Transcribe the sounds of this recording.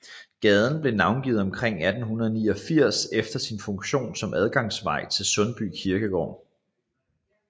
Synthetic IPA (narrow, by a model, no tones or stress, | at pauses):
ɡ̥ɛð̞ˠn̩b̥le̝nɑ̈ʊnɡ̥ḭːð̩ˠɒ̽mkʰʁeŋ̰æd̥n̩hunɐð̞ˠəniːɒ̽fiɐ̰sefd̥ɐsinfɔ̽ŋɕo̝̰ːnsɒ̽mʔæð̞ˠɡ̥ɑ̈ŋsʋɑ̈ɪ̰t͡sʰe̝lsɔ̽nb̥y̰ːkʰiɐɡ̥əɡ̥ɒ̰ːn